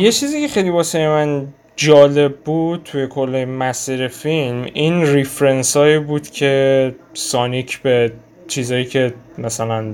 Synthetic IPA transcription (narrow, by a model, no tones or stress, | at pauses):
je̞t͡ʃʰiːziːcʰe̞χejlibɒːsejemæn | d͡ʒɒːle̞b̚ːud̪̥̚t̪ʰuje̞kʰo̞lːemæsiːɾefilmiːnrifɾensɒːiːbuːd̪̥cʰe̞sɒːnicʰbe̞ | t͡ʃʰiːzɒːjiːcʰe̞mæsælæn